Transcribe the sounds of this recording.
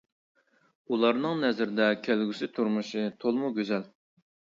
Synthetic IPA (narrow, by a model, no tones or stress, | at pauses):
ulˠɑɾnɨŋnɛzɪɾɪd̪ɛkʲʰælɡʲysɪt̪ʰuɾmuʃɨt̪ʰolˠmuɡʲøzɛl